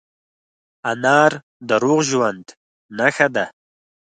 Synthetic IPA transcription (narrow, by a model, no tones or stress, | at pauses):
anɑːɾ | d̪əɾuɣʒwand̪ | naxad̪a